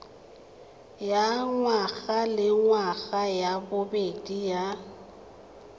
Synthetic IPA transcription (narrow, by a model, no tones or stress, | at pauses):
jaŋwaɣalɪŋwaɣajabʊbedija